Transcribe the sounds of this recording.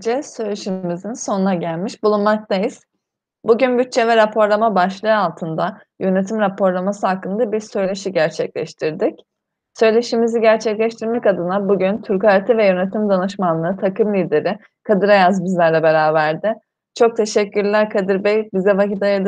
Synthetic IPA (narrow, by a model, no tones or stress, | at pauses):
d͡ʒɛsø̞jlʲeʃimizinso̞nunaɟælʲmiʃbulˠunmak̚t̪ʰajiz̥ | buɟynbyt̚t͡ʃʰːɛvɛɾapʰo̞ɾlˠamabaʃlˠɯːalˠt̪ʰɯnd̪a | jø̞ne̞t̪ʰimɾapʰo̞ɾlˠamasɯɦakːɯnd̪abiɾsø̞jlʲeʃiɟæɾt͡ʃʰɛclʲɛʃt̪ʰiɾd̪ic | sø̞jlʲe̞ʃimiziɟæɾt͡ʃʰɛclʲɛʃt̪ʰiɾmɛcad̪ɯnabuɟynt̪ʰyɾkaɾt̪ʰivɛjø̞ne̞t̪ʰimd̪anɯʃmanːˠɯɯt̪ʰakɯmlʲiːd̪e̞ɾɪ | kʰad̪ɯɾajazbizlʲæɾlʲɛbeɾaːbæɾd̪ɪ | t͡ʃʰo̞k̚t̪ʰe̞ʃɛcːyɾlʲæɾkʰad̪ɯɾbɛjbizɛvakit̪ajad̪